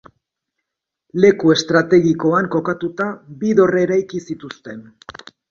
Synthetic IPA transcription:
le̞kue̞st̪ɾat̪e̞ɣiko̞aŋko̞kat̪ut̪abiðo̞reɾajkisit̪ust̪e̞n

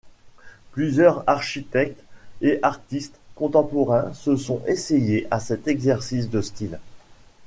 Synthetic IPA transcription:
plyzjœʁaʁʃit̪ɛk̚t̪eʔaʁt̪ist̪kɔ̃t̪ɑ̃pɔʁɛ̃səsɔ̃esejeʔasɛt̪ɛɡzɛʁsis̬d̪əst̪il

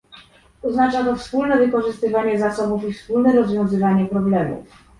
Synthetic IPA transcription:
ɔznat͡ʂat̪ɔfspulnɛvɘkɔʐɘst̪ɘvaɲɛzasɔbufifspulnɛɾɔzvʲjɔ̃w̃zɘvaɲɛpɾɔblɛmṵf

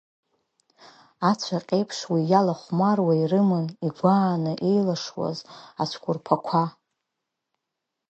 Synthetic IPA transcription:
at͡ɕʷʰaqʲʼejpʰʂwijalaχʷmarwairɨmɨniɡʷaːnɨʔe̞jlaʂwa̰zat͡ʃʷʰkʷʰʼʊrpʰakʷʰa

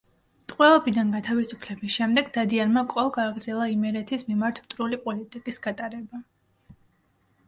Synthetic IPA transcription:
t̪ʼqʼwɛɔbid̪anɡat̪ʰavisupʰlɛbisʃɛmd̪ɛɡd̪ad̪ianmakʼɔvɡaːɡɾd̪z̥ɛlˠaimɛɾɛt̪ʰismimaɾt̪ʰpt̪ʼɾulipʼɔlit̪ʼikʼisɡ̥at̪ʼaɾɛba

